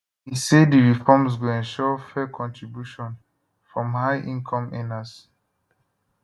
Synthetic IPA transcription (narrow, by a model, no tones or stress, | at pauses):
isediɹifɔms̬ɡoɛ̃nʃɔfɛkʰɔ̃ntɹibjuʃɔ̃n | fɹɔ̃mhaɪʔĩnkʰɔ̃mɛ̃nas